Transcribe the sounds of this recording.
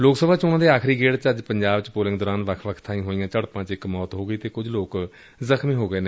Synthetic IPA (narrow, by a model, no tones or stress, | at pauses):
loːksəbʱaːt͡ʃʊãːd̪eːaːkʰɾiːɡeːɽt͡ʃəd͡ʒpəɲd͡ʒaːbt͡ʃpoːlɪ̃ŋɡd̪ɔːɾãːnʋəkʰʋəkʰt̪ʰaĩːɦoːijãːt͡ʃəɽpãːt͡ʃɪkmɔːt̪ɦoːɡəiːt̪eːkʊd͡ʒloːk | zəkʰmĩːɦoːɡəeːnẽː